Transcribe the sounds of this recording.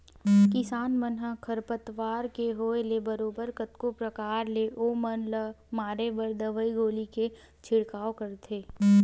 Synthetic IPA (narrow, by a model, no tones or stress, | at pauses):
kɪsaːnmənɦəkʰəɾpət̪ʋaːɾkeɦoːelebəɾoːbəɾkət̪kopɾəkaːɾleːʔoːmənləmaːɾeʋəɾd̪əʋəiɡoːlike | t͡ʃʰɪɽkaːokəɾt̪ʰeː